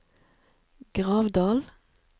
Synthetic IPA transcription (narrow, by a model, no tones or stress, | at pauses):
ɡ̥ʁɑːʋd̪ɑːl